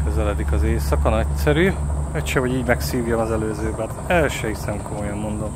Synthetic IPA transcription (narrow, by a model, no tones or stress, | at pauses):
køzɛlɛd̪ikɒzeːsɒkɒnɛcsɛɾyːɛcʃɛɦo̞ɟiːɟmɛksiːvjomɒzɛløːzøːbɛt̪ɛlʃɛhisɛmko̞mo̞jɒmːo̞nd̪o̞m